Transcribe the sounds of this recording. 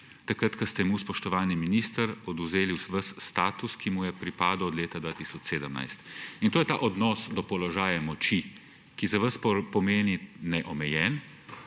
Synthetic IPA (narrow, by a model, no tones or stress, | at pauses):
t̪akɾat̪kast̪ɛmuspɔʃt̪ɔʋaːlniminist̪əɾɔd̪uzeːliwsʋɐsːt̪aːt̪uskimujɛpɾipaːd̪ɔwɔd̪leːt̪ad̪ʋaːt̪isɔt͡ʃseːd̪əmna̰jst̪int̪oːjɛt̪a̰ʔɔd̪nɔsd̪ɔpɔlɔʒaːjamɔt͡ʃi | kizaʋəspɔmeːninɛʔɔmɛjɛn